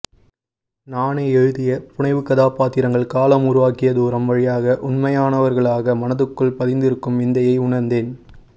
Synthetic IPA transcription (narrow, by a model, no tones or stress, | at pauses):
naːneɛɻɯðɪjɐpʊɳɐɪʋɯkːɐðaːpaːt̪ːɪɾɐŋɡɐɭkaːlɐmʊɾʊʋaːkɪjɐðuːɾɐmʋɐɻɪjaːɣɐʔʊnmɐjaːnɐʋɐɾɣɐɭaːɣɐmɐnɐðɯkːɯɭpɐðɪnd̪ɪɾɯkːɯmʋɪnd̪ɐjɐɪʊɳɐɾnd̪eːn